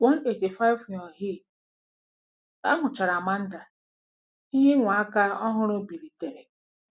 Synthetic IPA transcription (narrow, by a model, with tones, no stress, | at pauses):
wɔ˦n˦e˨ti˨fa˦ɪ˦fjɔ˨ɦɪ˦˨ | a̰˦ŋʷʊ˨t͡ʃa˨ɾa˨ma˦n̩˦da˨ | i˦ɦe˦ŋʷa˨a˦ka˦ɔ˦ɦʊ˦ɾʊ˦bi˨ɾi˨te˨ɾe˨